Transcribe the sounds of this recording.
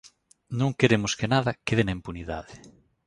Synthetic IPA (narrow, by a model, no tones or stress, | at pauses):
nõŋkeɾemʊskenaðakeðenaĩmpuniða̰ðɪ